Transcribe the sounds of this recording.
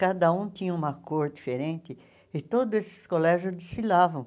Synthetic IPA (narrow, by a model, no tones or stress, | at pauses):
kad̪ɐũt̪ĩɲɐ̃ũmɐkoɾd̪ifeɾẽnt̪ɪ | ɪt̪od̪ʊzesɪ̥skolɛʒʊzd̪isilavɐ̃w̃